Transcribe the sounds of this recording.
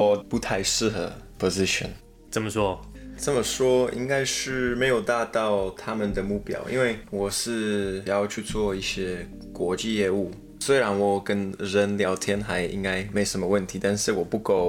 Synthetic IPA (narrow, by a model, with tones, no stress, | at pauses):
ɔ˨˩pu˧˥t̪ʰa˥˧ɪʂɻ̩˥˩xə˧˥pʰo˨˩zi˦˥ɕə̰˨˩n | t͡sə˨˦mə˨˩ʂwɔ˥t͡sə˥˩mə˩ʂwɔ˥ḭ˥ŋka˥ɪʂɻ̩˥˩me˧˥ɪjo˨˩ʊt̪a˥˧t̪ɑ˥˩ʊt̪ʰa˥mə˨nd̪ə˩mu˥˩pjɑ̰˨˩ʊʔḭ˥nwe˥˩ɪwɔ˨˩ʂɻ̩˥˩jɑ˥˧ʊt͡ɕʰy˥˧t͡swɔ˥˧i˥˩ɕjɛ˥ | kwɔ˧˥t͡ɕi˥˧jɛ˥˧u˥˩ | swe˥ɪɻa˧˥nwɔ˨˩kə˦˥nɻə˧˦nljɑ˧˥ʊt̪ʰjɛ˥nxa˧˥ɪʔḭ˦˥ŋka˥ɪm˧˥jʂə˧˦nmə˧wə˥˩nt̪ʰi˨˥t̪a˥˧nʂɻ̩˥˩wɔ˨˩pu˥˧ko˥˩ʊ